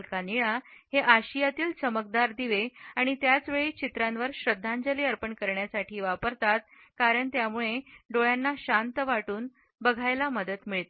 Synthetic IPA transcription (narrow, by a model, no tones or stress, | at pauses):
lkaniɭaheʔaɕijat̪iːlt͡səməkd̪aɾd̪iʋeaɽ̃it̪jat͡sʋeɭiːt͡ɕit̪ɾãnʋəɾɕɾəd̪ʱːand͡zəliːəɾpəɳkəɾɳjasaʈʰiːʋapəɾt̪at̪̚ | kaɾəɳt̪jamuɭeɖoɭjanːaɕant̪əʋaʈuːn | bəɡʱajlaməd̪ət̪miɭt̪